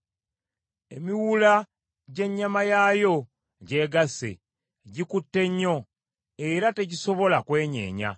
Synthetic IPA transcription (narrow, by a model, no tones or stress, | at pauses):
e̞miwula | ɟe̞ɲːamajajo̞ | ɟe̞ːɡasḛ | ɟikutːe̞ɲːo̞ | e̞ɾate̞ɟiso̞βo̞lakwe̞ːɲe̞̰ːɲa̰